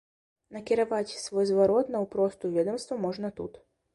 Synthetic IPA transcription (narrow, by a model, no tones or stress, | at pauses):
nɐkʲɪɾɐvat͡sʲsvɔjzvɐɾɔt̪nɐupɾɔst̪ʊvʲɛd̪ɔmst̪vɐmɔʐnɐt̪ṵt̪